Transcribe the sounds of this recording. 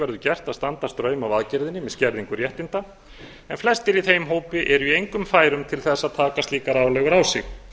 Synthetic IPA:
vɛɾðʏcɛr̥t̪aðst̪ant̪ḁst̪ɾœːɥmawaðcɛɾðɪnːɪmɛðscɛɾðiŋkʏɾjɛht̪ɪnt̪a | ɛnflɛst̪ɪɾiθejmɦoːwpɪʔɛɾʏiejŋkʏmfaːjɾʏmt̪ʰɪlθɛsːaðt̪ʰaːkast̪liːkaɾaːwlɛɣʏɾaːwsɪ̰x

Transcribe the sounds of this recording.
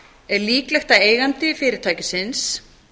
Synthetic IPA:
ɛɾliːklɛxt̪aeːjɣant̪ɪfɪːɾɪɾ̥t̪ʰaːjcɪsɪns

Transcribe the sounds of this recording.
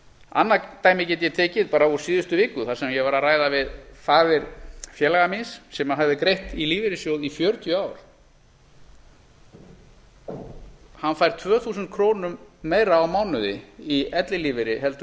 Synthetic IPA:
a̰nːat̪aːjmɪcɛːt̪jɛt̪ʰɛːcɪðpaːɾauɾ̥siːðʏst̪ʏvɪːkʏθasɛmjɛɣvaɾaðraːjðavɪðfaːðɪɾfjɛːlaɣaminsːɛmaðɦavðɪkɾejht̪iliːvɪɾɪsjowðifjœːɾt̪ʰjʏaːwɾ̥ | hanːfaːjɾ̥t̪ʰvœːθuːs̬ʏnt̪̚kʰɾoːwnʏmːeːjɾaːwmaːwnʏðɪ̰iɛt̪lɪliːvɪɾɪɦɛlt̪ʏ

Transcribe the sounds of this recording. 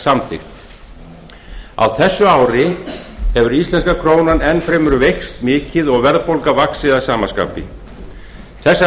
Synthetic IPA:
samθʰɪ̰xt̪ | a̰wθɛsːʏaːwɾɪhɛvʏɾist̪lɛnskakʰɾoːwnanɛnːfɾemʏɾʏvejxst̪mɪːcɪðɔɣvɛɾðpowlkavaksɪðasaːmaska̰ːpɪ̰ | θɛsːa

